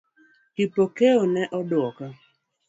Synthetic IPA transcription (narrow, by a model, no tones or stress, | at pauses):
kipokeonɛʔɔdʊɔka